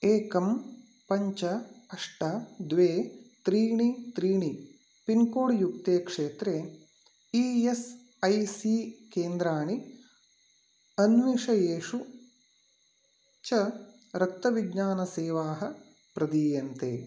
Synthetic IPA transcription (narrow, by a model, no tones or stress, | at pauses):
eːkɐm | pɐɲt͡ʃɐɐʂʈɐd̪ʋeːt̪ɾiːɳit̪ɾiːɳi | pinkoːɽjuk̚t̪eːkʂeːt̪ɾeː | iːes | ɐjsiːkeːnd̪ɾaːɳi | ɐnʋiʂɐjeːʂu | t͡ʃɐ | ɾɐk̚t̪ːɐʋiɡɲaːnɐseːʋaːɦɐ̆ | pɾɐd̪iːjɐnt̪ḛː